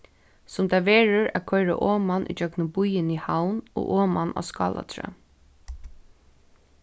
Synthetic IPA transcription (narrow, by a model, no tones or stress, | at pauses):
sʊmt̪aːʋeːɹʊɹæðkʰɔɪɹa̰ʔoːmanʔḭd͡ʒœknʊbʊjɪnihawnɔ̰ːʔoːmanʔa̰skɑ̰ːla̰t̪ʰɾa̰